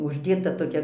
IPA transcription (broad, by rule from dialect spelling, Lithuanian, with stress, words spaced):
ʊʒʲˈdʲeːtɐ toːˈkʲɛ